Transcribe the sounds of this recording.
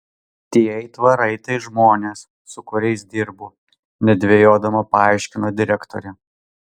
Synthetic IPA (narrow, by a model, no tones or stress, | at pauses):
t̪ʲiɛɪt̪ʋɐɾɐɪt̪ɐɪʒmoːnʲeːsːʊkʊɾʲɛɪsd̪ʲɪɾbuː | nʲɛd̪ʲʋʲeːjoːd̪ɐmɐpɐɑˑɪʃʲkʲɪnoːd̪ʲɪɾʲɛkt̪o̰ɾʲɛ